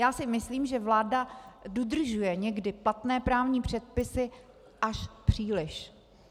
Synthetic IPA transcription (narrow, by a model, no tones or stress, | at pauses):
jaːsɪmɪsliːmʒɛvlaːdadod̪r̩ʒujɛɲɛɡdɪplat̪nɛːpɾaːvɲiːpr̝̥ɛt̪̚pɪsɪ | ʔaʃpr̥iːlɪʃ